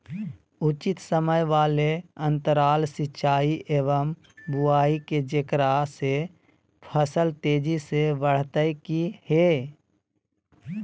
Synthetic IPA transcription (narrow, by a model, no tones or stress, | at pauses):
ut͡ʃɪt̪səməjʋaːleə̃nt̪əɾaːlsɪt͡ʃʰaːiʔeːʋəm | bʊaːiked͡ʒekɾase | pʰəsəlt̪eːd͡ʒisebəɽ̤t̪əjkihe